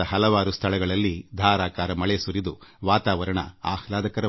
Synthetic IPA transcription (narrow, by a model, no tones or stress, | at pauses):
ɐɦɐlɐʋaːɾust̪ʰɐɭɛɡɐɭɐlːid̪ʱaːɾaːkaːɾɐmɐɭesuɾid̪uʋaːt̪aːʋɐɾɐɳɐ̰a̰ːhlaːd̪ɐkɐɾɐ